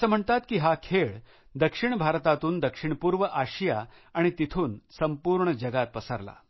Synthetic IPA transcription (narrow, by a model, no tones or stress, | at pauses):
əsəːm̤əɳt̪at̪kiːɦakʰeɭ | d̪əkʂiɳbʱaɾt̪at̪uːnd̪əkʂiɳpuːɾʋəʔaɕjaaɽ̃it̪it̪ʰuːnsəmpuɾɳəd͡ʑəɡat̪̚pəsəɾla̰